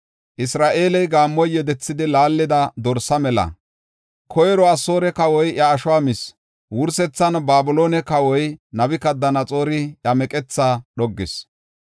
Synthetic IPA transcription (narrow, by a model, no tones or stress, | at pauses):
ʔɪsɾaːʔe̞ːlɛjɡaːmːɔjːɛd̪ɛt͡sːɪd̪ɪlaːlːɪd̪ɐd̪ɔɾsɐmɛlɐ̰ | kʰɔjɛɾɔɐso̞ːɾɛkɐwɔjʔjɐːʃʊwaːmɪs | wʊɾsɛt͡sːɐnbaːbʊlo̞ːnɛkɐwɔjnɐbɪkɐd̪ːɐnɐt͡sʼo̞ːɾɪɐmɛkʼɛt͡sːaɗɔɡːɪs